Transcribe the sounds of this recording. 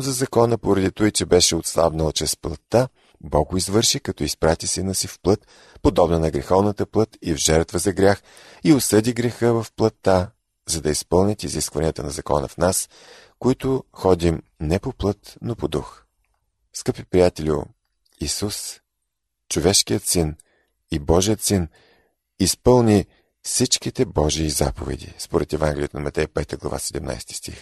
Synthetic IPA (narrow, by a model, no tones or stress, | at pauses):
zɐzɐkɔnəpoɾɐd̪it̪ojt͡ʃɛbɛʃɛot̪slˠa̰bnəlˠt͡ʃɛsplˠɐt̪ːa | bɔɡʊizvɤɾʃikɐt̪ɔispɾat̪isinəsifplˠɤt̪ | pod̪ɔbnɐnɐɡɾɛxɔvnət̪əplˠɤt̪ivʒɛɾt̪vəzɐɡɾʲax | iosɤd̪iɡɾɛxəvɐfplˠɐt̪ːa | zɐd̪ɐispɤlˠnʲət̪iziskvɐniət̪ənɐzɐkɔ̰nə̰fnas | koit̪ʊxɔd̪ʲim | nɛpoplˠɤt̪nopod̪ux | skɤpipɾijat̪ɛlʲʊ̰ | isus | t͡ʃovɛʃkijət̪sin | ibɔʒijət̪sin | ispɤlˠnʲi | fsit͡ʃkit̪ɛbɔʒiːza̰po̰vɛ̰d̪ḭspoɾɛt̪ɛvãŋɡʲɛlʲijət̪nɐmɐt̪ɛjpɛt̪əɡlˠɐ̰va̰sɛd̪ɛmna̰jst̪i̥st̪ḭx